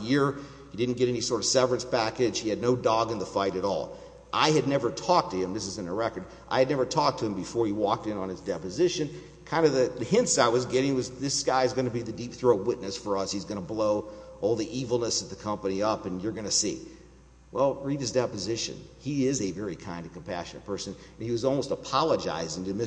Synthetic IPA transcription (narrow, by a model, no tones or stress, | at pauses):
jɪɹ | hidɪdⁿn̩ɡ̥ɛɾɛnisɔɹɾʌv̥sɛvɹɨ̃nspʰækɨ̥ʒ̥hiɨdⁿnoʊdɔɡɨ̃nðəfaɪɾɨɾɔ̰lˠ | ʔaɪɨdⁿnɛvə˞tʰɔk̚tʰɨɨ̃mðɪs̬ɨzɨ̃nəɹɛkə˞ɾ | ʔa̰ɪɨdⁿnɛvə˞tʰɔk̚tʰɨɨ̃mbɨfɔɹiwɔk̚tɨ̃nə̃nɨzdɛpɨzɪʃɨ̃n | kʰãɪ̃ndʌvðɨðhɪ̃nsaɪwʌzɡɛɾɪ̃ŋwʌzðɪsɡ̥aɪɨzɡʌnɨbiðɨdip̚θɹoʊwɪtⁿnɨsfə˞ʌshizɡʌñəbloʊʔɔlˠðiʔivl̩ˠnəsʌvðɨkʰʌ̃mpɨniʌpɨ̃njə˞ɡʌnɨsḭ | wʔɛlˠɹidɨzdɛpɨzɪʃɨ̰̃niɪzɨvɛɹikʰãɪ̃ndʌv̥kʰm̩pʰæ̰ʃɨnɨt̚pʰɜ˞sɨ̃ñniwʌzɔlˠmoʊstəpʰɑlˠəd͡ʒa̰ɪzɪ̃ŋɨmɪ